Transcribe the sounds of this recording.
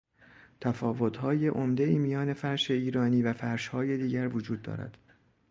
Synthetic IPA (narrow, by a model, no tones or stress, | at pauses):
t̪ʰæfɒːvot̪ʰhɒːjeʔomd̪e̞iːmijɒːne̞fæɾʃe̞iːɾɒːniːvæfæɾʃhɒːje̞d̪iːɟæɾvod͡ʒuːd̪̚ːɒ̰ːɾæ̰d̪̥